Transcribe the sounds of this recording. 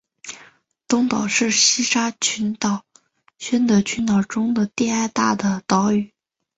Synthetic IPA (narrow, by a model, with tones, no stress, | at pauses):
t̪ʊ˥ŋt̪ɑ˨˩ʊʂɻ̩˥˩ɕi˥ʂa˥t͡ɕʰy˧˥nt̪ɑ˨˩ʊ | ɕɥɛ˥nd̪ə˧˩t͡ɕʰy˧˥nt̪ɑ˨˩ʊʈ͡ʂʊ˥ŋd̪ə˨t̪i˥˧a˥˧ɪt̪a̰˥˩d̪ə˩t̪ɑ˧˥ʊy˨˩˦